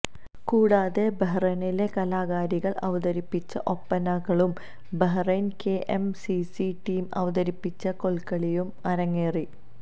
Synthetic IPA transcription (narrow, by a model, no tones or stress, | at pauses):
kuːɽaːðe̞bɐɦrɐnile̞kɐlaːɣaːɾiɣɐɭɐʋɐðɐɾipːit͡ɕːɐʔo̞pːɐnɐɣɐɭum | bɐɦrɐnkeʔemsisiʈiːmɐ̰ʋɐðɐɾipːit͡ɕːɐko̞ɭkɐɭijumɐɾɐŋːeːri